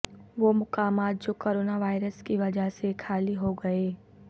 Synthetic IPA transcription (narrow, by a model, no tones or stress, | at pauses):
ʋoːmʊkaːmaːt̪̚d͡ʒoːkoːɾoːnaʋaːɪɾəskiʋɐd͡ʒəɦsekʰaːliɦoɡɐeː